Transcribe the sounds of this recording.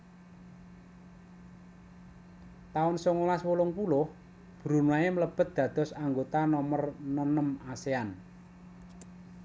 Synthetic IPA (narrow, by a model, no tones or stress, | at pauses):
t̪aʊnsoŋolaswolʊŋpulʊh | b̥ɾunuaemələb̥ə̤t̪̚d̪̥ä̤d̪̥ɔ̤saŋɡot̪anɔmərnɔnəmasean